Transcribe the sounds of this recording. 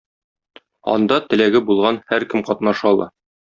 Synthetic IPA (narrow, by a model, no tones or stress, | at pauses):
ɒ̰nd̪ɑt̪ɘ̆læɡɘbulˠʁɑnhæɾkɘmqɒt̪nɑʃɑlˠɤ̰